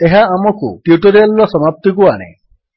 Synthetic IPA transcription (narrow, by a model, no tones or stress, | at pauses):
eɦaːmɔkṵʈjuʈɔɾalɾɔsɔmap̚t̪ikuaɽ̃ḛ